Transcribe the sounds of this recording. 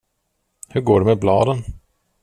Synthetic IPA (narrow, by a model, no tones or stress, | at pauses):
hɵɾɡoːɖɛmɛblɑ̰ːd̪ən